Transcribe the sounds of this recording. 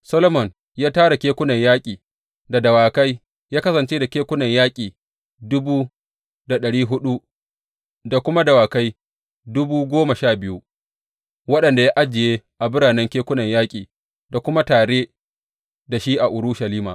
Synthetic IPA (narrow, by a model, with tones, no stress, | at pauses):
sɐ˦lo˦mɔ˨n | jaː˦taː˦ɽa˨kʲeː˦kʷʊ˦nɐ˨ɲjaː˦kʲʼiː˨ | da˨dɐ˨waː˨ka˦j | jaː˦kɐ˦sɐ˨nt͡ʃeː˦da˨kʲeː˦kʷʊ˦nɐ˨ɲjaː˦kʲʼiː˨ | dʊ˦buː˦ | da˨ɗɐ˨ɽiː˦ɦʊ˦ɗu˦ | da˨kʷʊ˦ma˦dɐ˨waː˨ka˦j | dʊ˦buː˦ɡʷoː˦ma˨ʃaː˦˨bɪ˦ju˦ | wɐ˦ɗɐ˨nda˨ja˦ʔa˦d͡ʒɪ˨jeː˦ʔa˨bʊ˦ɽaː˨nɛ˦ŋkʲeː˦kʷʊ˦nɐ˨ɲjaː˦kʲʼiː˨ | da˨kʷʊ˦ma˦taː˨ɽeː˦ | da˨ʃi˦ʔa˨ʔʊ˨ɾʊ˦ʃa˨liː˦ma̰ː˨